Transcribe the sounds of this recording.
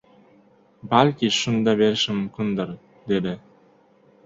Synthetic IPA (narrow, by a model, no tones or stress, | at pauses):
balʲkʲiʃund̪ɑbeɾʃimkund̪ɯɾ | d̪ed̪ɪ